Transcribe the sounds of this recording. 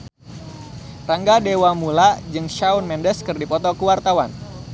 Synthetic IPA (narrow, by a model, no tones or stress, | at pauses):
raŋɡadewamulad͡ʒɨŋʃaunmɛndəskɨrdipɔt̪ɔkuwart̪awan